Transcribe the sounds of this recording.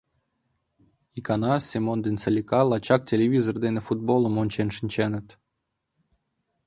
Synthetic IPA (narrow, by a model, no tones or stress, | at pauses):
ikɑnɑsʲemond̪ent͡səlʲikɑlˠɑt͡ɕɑk̚tʲelʲeβʲizord̪enefud̪̚bolˠə̆monʲt͡ɕenʃinʲt͡ɕenə̆t̪